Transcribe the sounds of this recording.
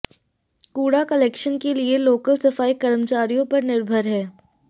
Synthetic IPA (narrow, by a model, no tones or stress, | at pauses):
kuːɽakɐleːkʃənkelieloːkəlsɐfaːikɐɾəmt͡ʃaːɾijõpɐɾnɪɾbʱəɾɦɛː